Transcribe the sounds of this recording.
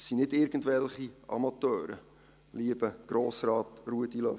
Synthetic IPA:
sinɪdɪɾɡ̥ən̩tvɛlχiʔɑ̰mɑt̪œːɾə̰ | liəbəɡ̥ɾoːsrɑːtruədilœ

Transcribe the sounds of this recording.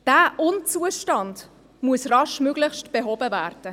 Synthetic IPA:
d̥aːʔʊnt͡suəʃtɑnd | muəsrɑʃmøɡlɪxʃtb̥eɦɔbəvæːrd̥ə

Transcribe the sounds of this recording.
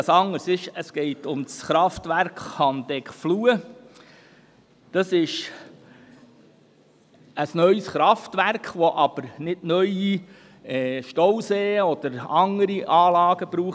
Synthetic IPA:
sɑŋːəɾsɪʃəsɡ̥ɛɪtʊmsχɾɑftvæɾkχhɑndɛkfluːə | d̥ɑsɪʃ | əsnœʏsχɾɑftvæɾkχʋɔʔɑb̥əɾnɪdnœʏi | ɛːʃtɔwseːɔd̥əɾɑŋəɾiʔɑːlɑːɡ̥əb̥ɾuːχ

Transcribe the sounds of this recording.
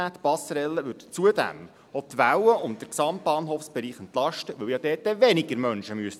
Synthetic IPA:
æːt̪pɑsəɾɛlːəʋʏdt͡suədæ̰m | ɔt̪ʋæwəʊnt̚d̥əɾksɑmt̚b̥ɑːnɦoːfsb̥ɛɾiːχɛnt̪lɑʃtəʋɵwjɑd̥̪ɛːt̚dɛvɛnɪɡəɾmœnʃəmyəs

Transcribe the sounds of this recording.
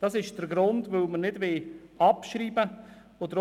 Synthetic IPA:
d̥ɑsɪʃd̥əɾɡɾʊndvəwmənɪdvɪːɑpʃɾiːbə | odəɾ

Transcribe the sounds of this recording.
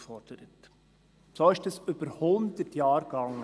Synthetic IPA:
fɔrd̥əɾət | soːɪʃdəsʏb̥əɾhʊnd̪ətjɑːɾɡ̥ɑŋːə

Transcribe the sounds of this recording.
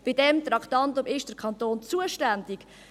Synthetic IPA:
b̥ɪdɛmt̪ɾɑktɑntʊmɪʃd̥əɾkʰɑnt̪oːnt͡suəʃtændɪk

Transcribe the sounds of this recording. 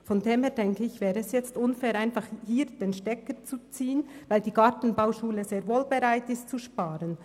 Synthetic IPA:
fɔndeːmheːɐdɛŋkəɪçvɛːɾəɛsjɛt͡stʊnfɛːɾʔaɪnfɑχhiːɾd̥eːnʃtɛkət͡sut͡siːənvaɪldiːɡɑɾtn̩baʊʃuːləzeːɾvoːlbeɾaɪtɪstt͡suʃpaːɾən

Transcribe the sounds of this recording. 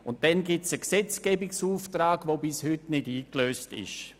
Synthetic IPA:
ʊnt̚dɛnɡɪsəksɛt͡skɛːbɪksuːftraːɡ̥vobɪshʏtnɪdiːkløːstɪ̰ʃ

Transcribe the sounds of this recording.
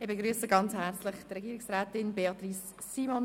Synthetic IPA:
ɪbeɡɾyːsəɡɑnt͡shɛɾt͡slɪχtrɛɡiːɪksrɛːtɪnbeɑt̪risː | iːmon

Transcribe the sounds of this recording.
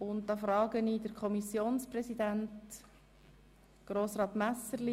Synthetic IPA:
ʊntd̥̪ɑfɾɑːɡəniːdəɾkʰɔmisjoːnsprɛsidænt | ɡ̥ɾoːsrɑːt̪mæsəɾli

